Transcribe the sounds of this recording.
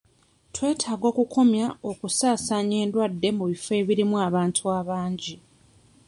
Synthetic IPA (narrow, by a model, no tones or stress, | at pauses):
twe̞ːtʰaːɡo̞ːkukʰo̞mjao̞kusaːsaɲe̞ːndwadːe̞muβife̞ːβiɾimuaβaːntʰuaːβaːɲɟi